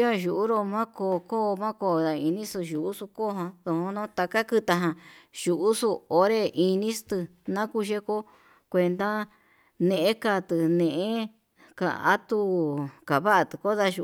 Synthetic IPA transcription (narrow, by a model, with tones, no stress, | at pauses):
a˦˧ʒu˨ʔu˦ɾo˧mã˦ko˧ko˦˧mã˦ko˧˨ða˨i˧nĩ˦sɨ˧ʒu˨ʔu˦su˧ko˦˧ɦã˧ðo˧hõ˧nõ˦t̪a˧ka˦kɨ˧t̪a˧ɦã˧ʒu˨ʔu˦su˧o˧ɾe˧ʔi˧nĩ˦st̪ɨ˧ | nã˦ku˦ʒe˦ko˦ | kʷe˧nd̪a˦ | nẽ˧˨ʔẽ˦ka˧t̪ɨ˨nẽ˧˨ʔẽ˦ | ka̰˨˧a˦t̪u˧ka˨βa˦ʔa˧t̪ɨ˨ko˦ða˧ʒu˧